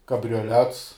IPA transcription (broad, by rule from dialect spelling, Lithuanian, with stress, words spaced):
kɐbʲrʲoːˈlʲɛts